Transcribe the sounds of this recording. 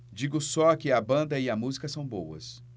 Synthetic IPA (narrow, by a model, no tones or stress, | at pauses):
d͡ʒiɡʊsɔkɪɐbɐ̃nd̪ɐɪɐmuzikɐsɐ̃w̃bowɐ̰s